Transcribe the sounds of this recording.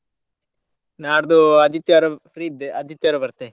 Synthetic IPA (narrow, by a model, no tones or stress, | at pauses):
naːɾd̪uɐd̪it̪jɐɾɐpɾiːd̪eɐd̪ʱit̪ːjɐɾɐbɐɾt̪e